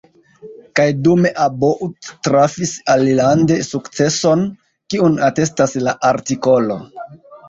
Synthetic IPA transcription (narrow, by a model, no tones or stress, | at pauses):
kajdume̞ʔaboʔuttɾafisalilande̞sukt͡se̞so̞n | kiunate̞staslaʔaɾtiko̞lo̞̰